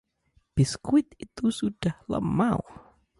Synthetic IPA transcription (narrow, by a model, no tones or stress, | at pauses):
b̥isə̥kuɪt̪̚it̪usud̥ahlə̰mau